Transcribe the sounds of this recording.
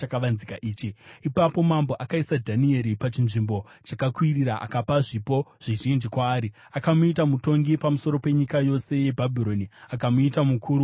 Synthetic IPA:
akaʋanzikaʔiːt͡ʃiipapo̞mambo̞ʔakaisadʱanie̞ɾipat͡ʃinʐimbo̞ | t͡ʃakakwiriɾaʔa̰kapaʐipo̞ʐ̥iʒind͡ʒikwaːɾi | akamuitamuto̞ŋɡipamuso̞ɾo̞pe̞ɲikajo̞se̞je̞bʱabʱiɾo̞niakamuitamukʰuɾu

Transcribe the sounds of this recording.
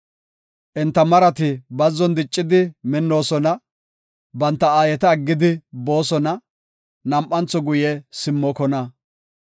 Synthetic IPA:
ʔɛnt̪ːɐmɐɾɐt̪ɪbɐzːɔnd̪ɪt͡ʃʼːɪd̪ɪmɪnːo̞ːsɔnɐ | bɐnt̪ːɐaːjɛt̪ɐːɡːɪd̪ɪbo̞ːsɔnɐ | nɐmʔɐnt͡sːɔɡʊjɛsɪmːɔkɔnɐ

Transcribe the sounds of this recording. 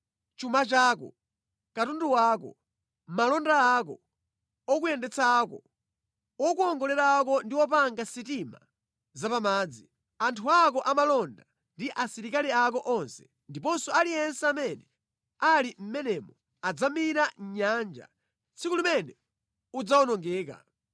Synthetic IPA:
t͡ʃumat͡ʃaːkɔ̰ | katunduwaːkɔ̰ | malɔndaːk̬ɔ̰ | ɔkujɛndɛt͡sʰaːkɔ | ɔkuɔŋɡɔlɛɾaːk̬ɔndiwɔpaŋɡasitima̰ | zapamaːd͡zi | antʰuakɔʔamalɔnda | ndiʔasiɾikaliakɔʔɔnsɛ̥ | ndipɔnsɔalijɛnsɛamɛnɛ | alim̩mɛnɛmɔ | ad͡zamiɾaɲand͡ʒa̰ | t͡sʰikulimɛnɛ | ud͡zawɔnɔŋɡɛːka̰

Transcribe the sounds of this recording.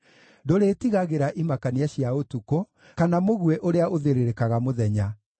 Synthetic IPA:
doɾetiɣaɣeɾaʔimakaniaɕjaotuko | kanamoɣweʔoɾeaʔoðeɾeɾekaɣamoðɛɲa

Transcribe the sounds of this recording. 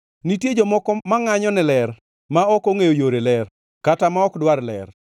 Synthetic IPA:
nitjed͡ʒɔmɔkɔmaŋaɲɔnɛlɛr | maɔkoŋejojoɾelɛr | katamaɔkdwaɾlɛ̰r

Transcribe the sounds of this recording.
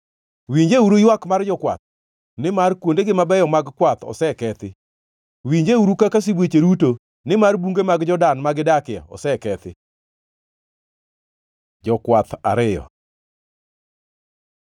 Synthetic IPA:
wiɲd͡ʒeuɾujwakmard͡ʒɔkwa̰t̪̚ | nɪmarkwondeɡɪmabɛjɔmaɡkwat̪ɔ̰sɛkɛt̪ɪ | wiɲd͡ʒeuɾukakas̬ibwet͡ʃeɾuto | nɪmarbuŋɡemaɡd͡ʒɔdanmaɡɪdakɪa̰ɔ̰sɛkɛt̪ɪ̰ | d͡ʒɔkwat̪a̰ɾɪjɔ̰

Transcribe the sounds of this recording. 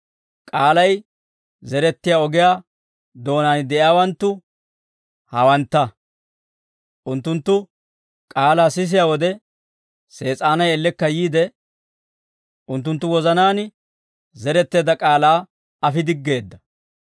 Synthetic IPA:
kʼaːlɐj | zɛɾɛt̪ːɪjaːɔɡɪjaː | d̪o̞ːnaːnd̪ɛʔɪjaːwɐnt̪ːʊ | hɐwɐnt̪ːɐ | ʔʊnt̪ːʊnt̪ːʊ | kʼaːlaːsɪs̬ɪjaːwɔd̪ɛ | se̞ːt͡sʼaːnɐjɛlːɛkːɐjiːd̪ɛ | ʔʊnt̪ːʊnt̪ːʊwɔzɐnaːn | zɛɾɛt̪ːe̞ːd̪ɐkʼaːlaː | ɐfɪd̪ɪɡːe̞ːd̪ːɐ

